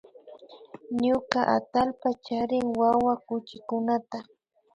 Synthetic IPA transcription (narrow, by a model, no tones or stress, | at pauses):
ɲʊkaʔa̰t̪alpat͡ʃaɾɪŋwawakʊt͡ʃɪkʊnat̪a